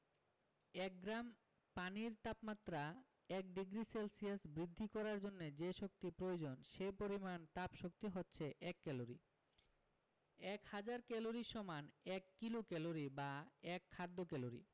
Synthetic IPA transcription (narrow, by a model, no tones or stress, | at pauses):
ɛk̚ɡɾam | paniɾt̪apmat̪ːɾa | ɛk̚ɖiɡɾiselsiasbɾid̪ʱːikɔɾaɾd͡ʑonːed͡ʑeʃok̚t̪ipɾood͡ʑonʃepoɾimant̪apʃokt̪iɦotːɕʰeʔɛkːɛloɾḭ | ɛkhad͡ʑaɾkɛloɾiʃɔmanɛkːilokɛloɾibaɛkʰːad̪ːokɛloɾḭ